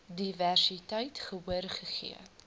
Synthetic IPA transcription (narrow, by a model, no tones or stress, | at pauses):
diværsitɐjtχəwuərχəχḭə